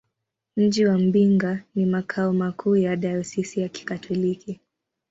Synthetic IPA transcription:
m̩d͡ʒiwam̩biŋɡanimakʰaɔmakʰuːjaɗajɔsisijaki̥katʰɔliki

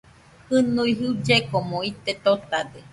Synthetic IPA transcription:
hɨnũiɦɨd͡ʒekomõit̪et̪ot̪ad̪e

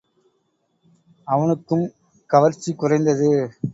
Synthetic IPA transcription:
ɐʋɐnɯkːɯm | kɐʋɐɾt͡ʃːikːʊrɐɪnd̪ɐðɯ

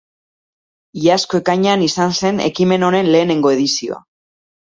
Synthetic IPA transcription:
iaskoe̞kajɲanisanse̞ne̞̰kime̞no̞ne̞nle̞ːne̞ŋɡo̞e̞ðisio̞̰a̰

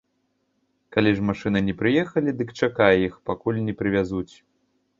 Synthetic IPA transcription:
kalʲiʐmaʂɨnɨnʲɛpɾɨjɛxɐlʲid̪ɨkt͡ʂakajɛixpakulʲnʲɛpɾɨvʲazut͡sʲ

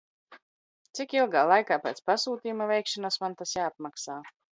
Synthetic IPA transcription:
t̪sikilˠɡaːlˠajkaːpɛ̰ːt̪spasuːt̪iːjumavʲɛjkʃanasmant̪asjaːpmaksaː

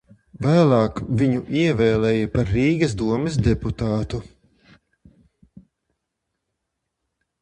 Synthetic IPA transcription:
væːlˠɑːkviɲuʔiɛvɛːlˠɛjɐpaɾːiːɡɐsd̪uɔmɛsd̪ɛput̪aːt̪u

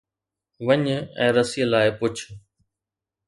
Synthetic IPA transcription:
ʋəɲɛ̰̃ːɾəsiəlaːɪpʊt͡ɕʰ

